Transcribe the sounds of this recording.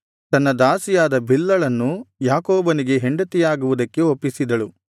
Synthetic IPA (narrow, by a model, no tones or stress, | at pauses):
t̪ɐnːɐd̪aːsijaːd̪ɐbʱilːɐɭɐnːujaːkoːbɐniɡe̞ɦeɳɖɐt̪ijaːɡuʋud̪ɐkːe̞opːisid̪ɐɭu